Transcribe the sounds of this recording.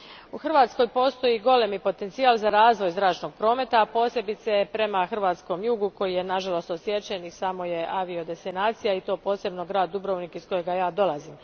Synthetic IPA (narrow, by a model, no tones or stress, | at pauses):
uxr̩ʋaːt̪sko̞jpo̞ːst̪o̞jiɡo̞lemipo̞t̪ent̪siaːlˠzaɾaːzʋo̞jzɾaːt͡ʃno̞ɡ̥̚pɾo̞ːme̞t̪aːpo̞ːse̞bit̪sepɾe̞maxrʋaːt̪sko̞mjuːɡuko̞jije̞naʒalˠo̞st̪osje̞t͡ʃenisamo̞je̞ʔaʋio̞d̪e̞st̪inaːt̪sijait̪o̞ːpo̞ːse̞bno̞ɡɾaːd̪̚ːubɾoːʋnikisko̞jeɡajaːd̪o̞lˠazim